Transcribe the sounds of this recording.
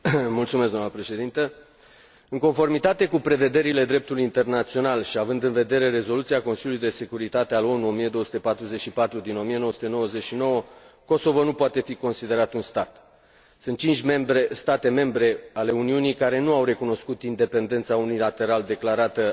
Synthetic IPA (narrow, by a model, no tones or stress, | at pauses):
mult̪sumesd̪oamnəpɾe̞ʃe̞d̪int̪ə | ɨŋko̞nfo̞rmit̪at̪e̞kupɾe̞ve̞d̪e̞ɾile̞d̪ɾe̞p̚t̪ulujint̪e̞rnat̪sio̞nalʃiavɨnd̪ɨnve̞d̪e̞ɾe̞ɾe̞zo̞lut̪siako̞nsiljulujd̪e̞sekuɾit̪at̪ealo̞nuo̞mije̞d̪oəsu̥t̪e̞pat̪ɾuzet͡ʃʃipat̪ɾud̪ino̞mije̞nowəsu̥t̪e̞no̞wəze̞t͡ʃʃino̞wəko̞so̞vonupoat̪e̞fiko̞nsid̪e̞ɾat̪unst̪at̪ | sɨnt̪̚t͡ʃint͡ʃʲme̞mbɾe̞st̪at̪e̞me̞mbɾe̞ale̞uniunijkaɾe̞nuawɾe̞kuno̞skut̪ind̪e̞pe̞nd̪e̞nt̪saunilat̪e̞ɾald̪e̞klaɾat̪ə